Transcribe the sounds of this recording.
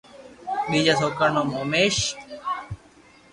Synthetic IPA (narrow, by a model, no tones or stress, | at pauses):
ɗiːd͡ʒasoːkəɾnõːmoːmeːʃ